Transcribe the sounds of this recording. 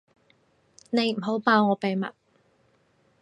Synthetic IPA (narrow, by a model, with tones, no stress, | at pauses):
ne˨˧jm̩˨˩ɦo˨˥wpaː˧wŋɔː˨˧pe˨jmɐ̰˨t̚